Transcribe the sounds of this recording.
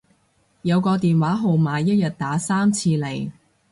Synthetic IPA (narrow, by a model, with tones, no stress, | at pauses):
jɐ˨˧wkɔː˧t̪iː˨nwaː˨˥ɦo˨wmaː˨jjɐ˥t̚jɐ˨t̚t̪aː˨˥saː˥mt͡sʰiː˧le˨˩j